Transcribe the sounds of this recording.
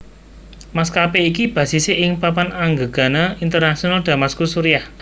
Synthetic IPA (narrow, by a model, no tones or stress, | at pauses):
maskapeikib̥ä̤siseʔɪŋpapanaŋɡəɡ̥a̤naint̪ərnaʃionald̪̥ä̤maskusuɾijah